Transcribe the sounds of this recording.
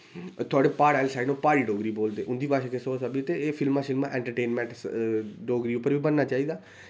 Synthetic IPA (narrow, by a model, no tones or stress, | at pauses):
t̪ʰʊaːɖeːpaːɽaːlsaːinõːpaːɾiːɖoːɡɾiːboːld̪eːʔʊnd̪iːpaːʃeːkesoːsabit̪eːfʰɪlmãːʃɪlmãːʔɛ̃ːɳʈəɾʈeːnmɛ̃ːʈ | ɖoːɡɾiːʊpːəɾʋiːbənːaːt͡ʃaːiːd̪aː